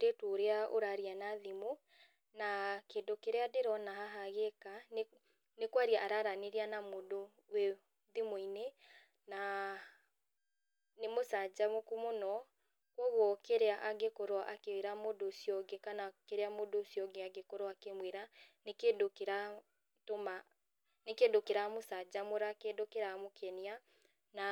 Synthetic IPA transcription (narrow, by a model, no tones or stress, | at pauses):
ɾetoːɾeao̰ɾaɾianaðimo | nakeːndokeɾeadeɾɔnaɦaɦaɣekan | nekwaɾiaʔaɾaɾaneɾianamodo | we | ðimoine | na | nemosad͡ʑamokumonɔ | kwɔɣwɔkeɾeaʔaɡekoɾwaʔakeweɾamodosjɔɡekanakeɾeamodosjɔɡeaɡekoɾoakemweɾanekedokeɾa | toma | nekedokeɾamosad͡ʑamoɾakedokeɾamokʰɛnia | na